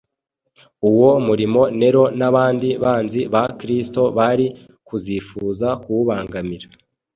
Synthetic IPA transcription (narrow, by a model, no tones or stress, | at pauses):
uwo̞muɾimo̞ne̞ɾo̞naβaːndiβaːnziβakɾisto̞βaɾi | kuziːfuːzakuβaːŋɡamiɾa